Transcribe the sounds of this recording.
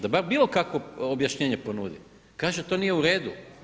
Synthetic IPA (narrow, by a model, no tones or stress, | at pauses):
d̪abaɾbiːlˠo̞kakʋoobjaʃɲeːɲe̞po̞nuːd̪ḭm | kaːʒet̪o̞ːnije̞uɾe̞ːd̪u